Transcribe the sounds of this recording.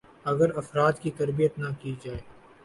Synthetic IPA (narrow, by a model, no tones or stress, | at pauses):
ɐɡəɾɐfɾaːt̪kit̪ɐɾbijət̪nɐkid͡ʒaːeː